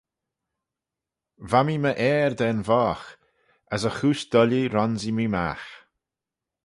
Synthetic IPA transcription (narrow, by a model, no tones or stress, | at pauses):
vamiməʔɛːɹd̪ɛːnvɔːx | əsəxuːʃd̪̥ɔliɾɔnzimima̰ːx